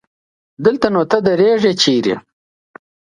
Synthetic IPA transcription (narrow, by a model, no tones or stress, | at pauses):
d̪əlt̪anot̪ad̪ɐɾeːʐet͡ʃiːɾḛ